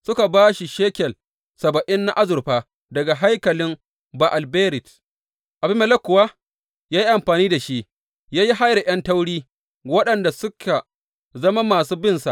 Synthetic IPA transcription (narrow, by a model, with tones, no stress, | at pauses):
sʊ˦ka˨baː˦ʃi˨ʃeː˦kʲɛ˨l | sɐ˨bɐ˨ʔɪ˦nːa˦ʔa˦zʊ˨ɾɸaː˦ | dɐ˨ɡa˨ɦa˦jkɐ˨lɪ˦m | ba˨ʔa˨lbeː˦ɾɪ˨t | ʔa˨bɪ˦mːɛ˨lɐ˦kʷːʊ˨waː˦ | jaː˦ji˦ʔa˨mɸaː˨niː˦da˨ʃi˦ʔ | jaː˦ji˦ɦa˦jɾe˨jɐ˦ntɐ˦wɽiː˦ | wɐ˦ɗɐ˨nda˨sʊ˦kʰa˨ | zɐ˦ma˦maː˨s̬uː˦bɪ˦˨nsa̰˨ʔ